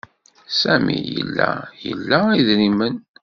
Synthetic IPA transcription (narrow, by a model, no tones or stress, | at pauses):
sæmijə̰lːæjəlːæiðɾimən